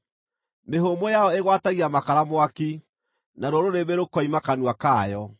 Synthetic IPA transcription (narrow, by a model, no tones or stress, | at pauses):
meɦomɔjaɔeɣwataɣiamakaɾamoaki | naɾwɔɾoɾeβeɾokɔimakanuakaːjɔ